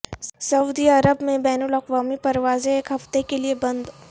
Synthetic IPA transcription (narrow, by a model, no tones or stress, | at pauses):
sɐʊd̪iɐɾəbmẽbɛːnulɐqʋaːmipɐɾʋaːzeeːkɦɐft̪ekeliebɐ̃nd̪